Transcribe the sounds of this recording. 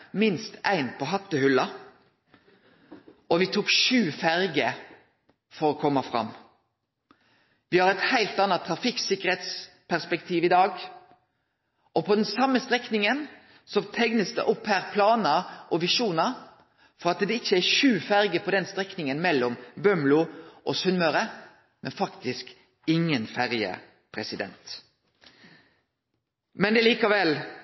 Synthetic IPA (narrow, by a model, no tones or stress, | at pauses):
mɪnst̪æ̰ɪnpʰɔɦɑt̪ːəhʉlːɑ | ʔɔʋɪt̪ʰuːkʃʉːfæʁɡə | fɔɾɔkʰɔmːɑfʁɑ̰mː | ʋɪhɑʁɛt̪hæɪlt̪ɑnːɑt̪ʰʁɑfɪksɪkəʁhɛt̪s | pʰæʁspɛkt̪ʰiːʋɪd̪ɑːɡ | ʔɔpʰɔd̪ɛnsɑmːəst̪ʁɛknɪŋən | sɔt̪ʰɛŋnəsd̪ɛ̰ʔɔphæːʁpʰlɑːnəʔɔʋɪʃuːnəʁ | fɔʁɑt̪d̪ɛɪçːəæʃʉːfæɾɡəpʰɔd̪ɛnst̪ʁɛknɪŋənmɛlːɔmbœmlʊʔɔsʉnmøɾə | mɛnfɑkt̪ɪsk | ɪŋːənfæʁjə̰ | pʰʁɛsɪd̪ɛ̰nt̪ | mɛnd̪ɛliːkɑʋɛl